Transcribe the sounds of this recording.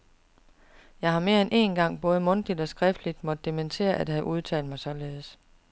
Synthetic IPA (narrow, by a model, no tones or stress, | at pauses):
jɑ̈ɪhɑ̈me̝ːɐenʔe̝̰nɡ̥ɑ̈ŋ̰b̥ɔ̽ːð̞̩ˠmɔ̽nd̥id̥ɒ̽sɡ̥ʁɛfd̥lid̥mɒd̥̚ˠːement͡sʰe̝̰ːɐʔæd̥hɦæʔuð̞ˠt͡sʰɛ̰ːld̥mɑ̈ɪsɒ̽le̝ːð̩ˠs